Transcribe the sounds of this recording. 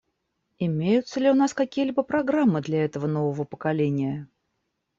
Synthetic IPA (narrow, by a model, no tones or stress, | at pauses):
ɪmʲejʊt̪səlʲɪʊn̪askɐkʲijəlʲibəpɾɐɡɾamːɨd̪lʲɐɛt̪əvənovəvəpə̥kɐlʲenʲɪjə